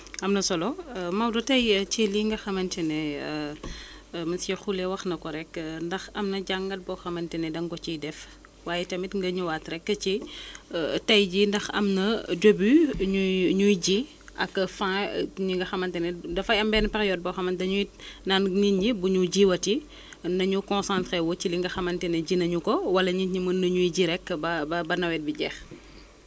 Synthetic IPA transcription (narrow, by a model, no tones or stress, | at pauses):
ɐmnɐsɔlɔmɐmdutɐjt͡ʃiliŋɡɐxɐmɐntɛnɛ | mɐnsɛxulɛwɐxnɐkɔɾɛkndɐxɐmnɐɟaŋɡɐt̚bɔxɐmɐntɛnɛdɐŋkɔt͡ʃidɛf | waːjɛtɐmitŋɡɐɲuwaːtɾɛkːət͡ʃi | tɐjɟindɐxɐ̰mnɐdobiɲuɲujɟi | ʔɐ̰kːfãɲiŋɡɐxɐmɐntɛnɛdɐfɐjɐmbɛːnpɐɾijɔd̚bɔxɐmɐndɐɲunaːnninɟibuɲuɟiwɐti | nɐɲukɔ̃nsãntɾewɔciliŋɡɐxɐmɐntɛnɛɟinɐɲukɔwɐlɐɲiɲimənːɐɲujɟiɾɛkːbɐbɐbɐnɐwɛt̚biɟɛx